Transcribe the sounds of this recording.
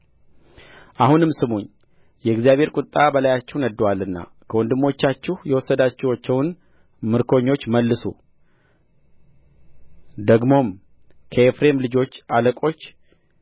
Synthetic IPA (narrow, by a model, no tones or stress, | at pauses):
ʔahunɨmsɨmuɲː | jɛɡzijaβhe̞ɾkʼʊt̪ʼːabəlajat͡ʃːɛhwnəd̪ːəwalːɨnːa̰ | kʰəwɔnd̪ɨmo̞t͡ʃːat͡ʃːɛhjɛwɔsːəd̪at͡ʃːɛwat͡ʃːɛwn | mɨɾkʰo̞ɲːo̞t͡ʃːməlːɨsṵ | d̪əɡmo̞m | kʰəefɾe̞mlɨd͡ʒo̞t͡ʃːaləkʼo̞t͡ʃː